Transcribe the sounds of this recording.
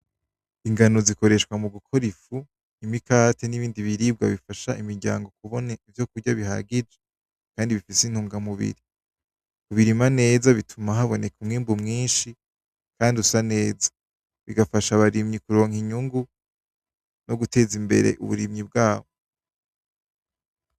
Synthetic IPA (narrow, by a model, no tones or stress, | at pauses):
iŋɡano̞ziko̞ɾe̞ʃwamuɡukʰo̞ɾifu | imikate̞niβiːndiβiɾiːb̚ɡaβifaʃaimiɾɟa̰ːŋɡo̞kuβo̞naivjo̞kuɾɟaβiɦa̰ɡid͡ʒe | kaːndiβifisin̥huːŋɡamuβḭɾi | kuβiɾimane̞ːzaβitʰumaɦaβo̞ne̞kumŋiːmbumŋiːnʃi | kaːndiusane̞ːzḁ | βiɡafaʃaβaɾimɲikuɾo̞ːŋhiɲuŋɡu | noɡutʰe̞ːzimbe̞̰ɾe̞̰ʔṵβṵɾimɲib̚ɡaːβo